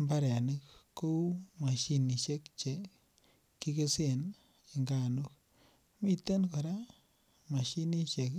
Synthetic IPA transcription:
mba˦ɾɛ˨ni˦kko˦ma˨ʃi˦ni˨ʃe˦kt͡ʃe˨ | ki˦ke˦se˨n | i˨ŋɡa˦˨nu˦k̚ | mi˦t̪e˦nko˨ɾa˦ | ma˨ʃi˦ni˦ʃe˨k

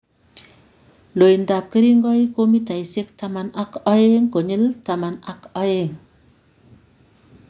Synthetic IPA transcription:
lo˨jnda˨p̚ke˦ɾi˦ŋɡɔ˦i˦ko˦mi˦ta˨jse˦kta˨ma˨na˦kɔ˦je˦ŋko˨ɲe˦lta˨ma˨na˦kɔ˦je˦˨ŋ

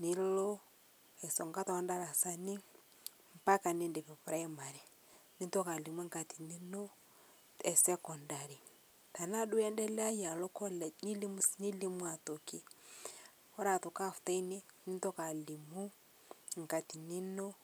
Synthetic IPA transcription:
ni˨lɔ˦ | ɛ˨sɔ˨ŋɡa˦tɔ˦ɔ˦nda˦ɾa˨sa˦ni˦ | m̩˨pa˦ka˨ni˦ndi˨pɛ˨pɾa˦i˦ma˨ɾɛ˨ | ni˦ntɔ˦ka˨li˨mwa˦ŋka˨ti˨ni˦nɔ˦ | ɛ˨sɛ˦kɔ˨nda˨ɾi˨ | ta˨na˦du˦ɛ˦ndɛ˦lɛ˦a˦ja˨lɔ˦kɔ˦lni˦li˦muni˦li˦mu˦a˨tɔ˨ki˦ | ɔ˦ɾa˨tɔ˨ka˦fu̥˨ta˦i˦ni˦ni˦ntɔ˦ka˨li˨mu˦ | ŋka˨ti˨ni˦nɔ˦

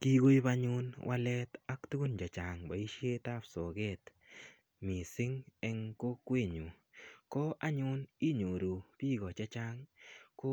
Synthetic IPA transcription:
ki˦ɡo˦i˦ba˦ɲʊ˦nwʔa˦lɛ˦t̪a˦ktu˦ɡu˦nd͡ʒa˨t͡ʃa˨ŋba˨i˦ʃje˦ta˦pso˨ɡɛ˦t̪ | mɪ˨sɪ˦ŋɛ˦ŋko˦kwe˦˨ɲo˨ | kɔ˦ʔa˦ɲʊ˦ni˦ɲo˨ɾo˨pi˦ɡɔ˨t͡ʃa˦t͡ʃa˦ŋko˦

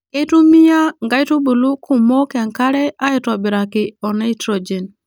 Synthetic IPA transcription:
e˦tu˦mi˦ja˦ŋɡa˦i˦tu˦bu˨lu˦ku˨mo˦kɪ˨a˨ŋka˦ɾɛ˦a˦i˨tɔ˨bɪ˨ɾa˨kɪ˨ɔ˨na˦i˦tɾo˨d͡ʒe˨n

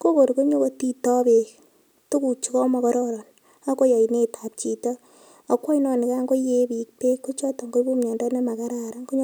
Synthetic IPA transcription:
ko˦ko˨ɾko˦ɲo˦ko˦ti˦tɔ˦be˨ | tu˦ku˨t͡ʃu˨kɔ˦mɔ˨kɔ˦ɾɔ˦ɾɔ˨n | a˦ko˦ja˨i˨ne˦˨ta˨p̚t͡ʃi˨tɔ˦ | o˨˦kʷːɔ˦inɔ˦ni˨ka˦ŋɡo˦je˦bi˨k̚te˦kːo˦t͡ʃɔ˦tɔ˨ŋɡo˦bo˦mɲɔ˨ndɔ˦ne˦ma˨ka˦ɾa˦ɾa˦ŋko˦ɲ˦

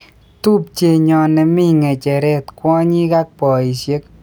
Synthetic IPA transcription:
tu˦p̚t͡ʃe˨ɲɔ˨nɛ˨mɪ˦˨ŋɛ˨t͡ʃɛ˨ɾɛ˦t̪kwɔ˦ɲi˦ka˦k̚pɔ˨i˨ʃje˦k̚

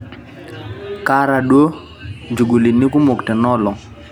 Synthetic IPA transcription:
ka˦ɾa˨ɗwo˦ | d͡ʒu˨ɡu˨li˨ni˦kʊ˦mo˨kte˨nɔ˦lɔ˨

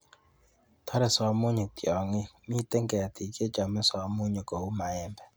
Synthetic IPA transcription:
tʰɔ˦ɾɛ˨sɔ˨˦mʊ˦ɲo˨k̚tjɔ˨ŋɪ˦mi˦˨te˦ŋɡɛ˨a˨tʰi˨ke˦t͡ʃa˨mɛ˦sɔ˨˦mʊ˦ɲo˨ko˨u˦ma˨ɛ˦mbɛ˨

